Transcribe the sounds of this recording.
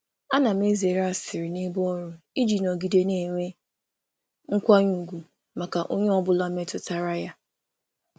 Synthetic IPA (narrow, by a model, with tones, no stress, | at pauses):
a˦na˨m˦e˦ze˨ɾa˦˨sɪ˨ɾɪ˨ne˦bɔ˦ɾʊ˦ | i˦d͡ʒi˨nɔ˨ɡi˨de˦ne˦ŋʷe˦ | ŋ̩˦kʷa˦ɲu˨ɡʷu˨ | ma˨ka˨ʔo˦ɲe˦ɔ˦bʊ˦la˦me˦tʊ˦ta˦ɾa˦ja˦